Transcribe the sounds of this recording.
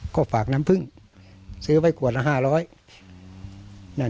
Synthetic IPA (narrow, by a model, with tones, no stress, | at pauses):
kɔː˧˩faː˨˩k̚na˧˦˥mpʰɯ˧˩ŋ | sɯː˦˥wa˧˥˩jkʰu˨˩ət̪̚la˧ɦaː˧˩lɔː˦˥j | na˧˩˨